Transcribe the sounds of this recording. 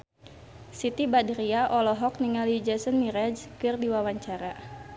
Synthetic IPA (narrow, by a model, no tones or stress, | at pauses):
sit̪ibadiɾiaʔɔlɔɦɔk̚niŋalid͡ʒɛsənmiɾɛd͡ʒkɨrdiwawaɲt͡ʃaɾa